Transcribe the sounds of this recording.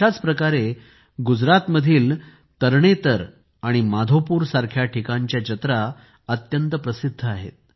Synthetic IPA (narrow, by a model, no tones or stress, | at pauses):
at͡spɾəkaɾe | ɡud͡zɾat̪məd̪ʱiːl | t̪əɾɳ̃et̪əɾ | aɽ̃imad̪ʱopuːɾsaɾkʰjaʈʰikaɲt͡ɕjad͡ʑət̪ɾa | ət̪jənt̪əpɾəsid̪ʱːəaɦḛt̪̚